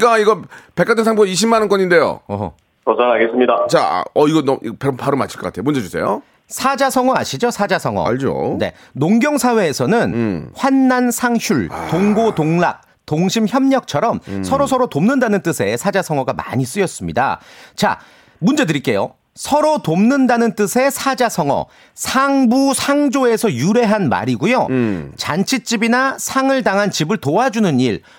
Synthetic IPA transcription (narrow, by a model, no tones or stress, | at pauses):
k͈aiɡʌpek͈atʰɯnsʰaŋboaiɕʰimːanɯnkʌɲinde̞jo̰ʌ̰ | tosanaɡes͈ɯmɲidat͡ɕa̰ʌiɡʌnʌmipepʰaɾomat͡ɕʰiɭk͈ʌkatʰejomund͡ʑe̞d͡ʑusʰe̞̰jo̰ | sʰad͡ʑasʰʌŋwʌaɕʰid͡ʑosʰad͡ʑasʰʌŋwʌ̰aʎd͡ʑo̰ne̞̰ | noŋɡjʌŋsʰawe̞ːsʰʌnɯnɸwanːansʰaŋɕʰuɭtoŋɡotoŋlak̚ | toŋɕʰimçjʌmɲʌk̚t͡ɕʰʌɾʌmsʰʌɾosʰʌɾotomnɯndanɯnt͈ɯsʰe̞sʰad͡ʑasʰʌŋwʌɡama̰ɲis͈ɯjʌs͈ɯmɲida̰t͡ɕa̰ | mund͡ʑe̞dɯɾik͈e̞jo̰ | sʰʌɾotomnɯndanɯnt͈ɯsʰe̞sʰad͡ʑasʰʌŋwʌ̰ | sʰaŋbusʰaŋd͡ʑoe̞sʰʌjuɾe̞ɦanma̰ɾiɡujot͡ɕant͡ɕʰit͡ɕ͈ibinasʰaŋɯɭdaŋɦant͡ɕibɯɭtoad͡ʑunɯniɭ